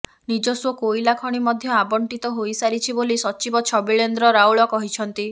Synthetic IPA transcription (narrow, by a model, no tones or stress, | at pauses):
nid͡ʒɔswɔkojlakʰɔɽ̃imɔd̪ʱjɔabɔɳʈit̪ɔɦojsaɾit͡ʃʰibolisɔt͡ʃibɔt͡ʃʰɔbiɭend̪ɾɔɾawɭɔkɔɦit͡ʃʰɔnt̪i